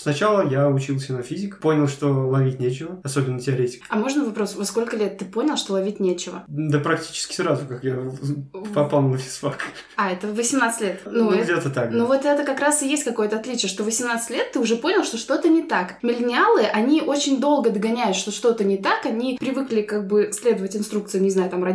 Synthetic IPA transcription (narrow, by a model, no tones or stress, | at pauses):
snɐt͡ɕalˠəjaʊt͡ɕilˠsʲənɐfʲizʲɪkə̥po̞nʲɪlˠʂt̪o̞lˠɐvʲitʲnʲet͡ɕɪvəɐso̞bʲɪnːətʲɪɐɾʲetʲɪ̥kɐmo̞ʐnəvɐpɾo̞svot̪sko̞lʲkəlʲet̪ːɨpo̞nʲɪlˠʂt̪o̞lˠɐvʲit̚ʲnʲet͡ɕɪvə̰d̪əpɾɐk̚tʲi̥t͡ɕɪ̥skʲɪ̥sɾazʊkakja | pɐpalˠnəfʲɪ̥sfak | aɛt̪əvəsʲɪmnat̪sɨ̥tʲlʲet̪nuɛɡdʲet̪ət̪anovo̞t̪ɛt̪əkɐkɾasɨjesʲtʲkɐko̞jət̪əɐt̪lʲit͡ɕɪjəʂt̪o̞vəsʲɪmnat̪sɨ̥tʲlʲet̪ːɨʊʐɛpo̞nʲɪlˠʂt̪o̞ʂt̪o̞t̪ənʲɪt̪akmʲɪlʲnʲɪalˠɨʔɐnʲiʔo̞t͡ɕɪnʲd̪o̞lˠɡəd̪ɡɐnʲæjʊt̪ʂt̪o̞ʂt̪o̞t̪ənʲɪt̪akɐnʲipɾʲɪvɨklʲɪkaɡ̚bɨsʲlʲe̞d̪əvətʲɪnst̪ɾukt̪sɨɪnʲɪznajʊt̪amrɐ